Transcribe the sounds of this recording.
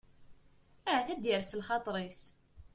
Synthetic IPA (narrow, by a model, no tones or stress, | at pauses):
æɦæθæd̪iɾslχɑt̪ˤɾˤis